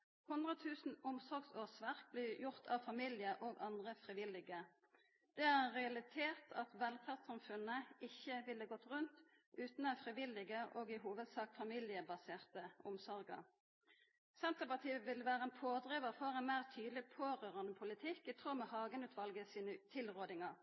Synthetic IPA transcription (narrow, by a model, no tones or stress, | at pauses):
hʊnd̪ʁət̪ʰʉːsn̩ʊmsɔʁɡsoːsʋæʁk̚blɪjʊʁt̪ʰɑʋfɑmilɪəʔoːɡɑnd̪ʁəfʁɪʋɪlːɪɡə | d̪̥ɛæʁʁɛɑlɪt̪ʰeːʁt̪ʰɑt̪ʋɛlfæːʁt̪sɑmfʉnːəɪçːəʋɪlːəɡɔt̪ːʁʉnt̪ʉːt̪n̩æfʁɪʋɪlɪɡəʔoːɡɪɦuːʋəd̪sɑːk̚t̪fɑmɪlɪəbɑseːʁt̪əʊmsɔʁɡə̰ʁ | sɛnt̪əʁpɑt̪ʰiːəʋɪlʋæːʁəɛnpʰoːd̪ʁiʋəʁfɔʁɛnmæɪʁt̪ʰyːd̪l̩ɪpʰoːʁøːʁɑnəpʰʊlɪt̪ʰɪkːæt̪ʰʁuːʁmɛhɑːɡənʉːt̪ʰʋɑlɡəsiːnət̪ʰɪlʁoːd̪ɪŋɑʁ